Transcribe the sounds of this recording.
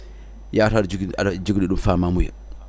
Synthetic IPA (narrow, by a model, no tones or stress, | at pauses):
jaːtad͡ʒd͡ʒuɡɗiɗumfamamuja̰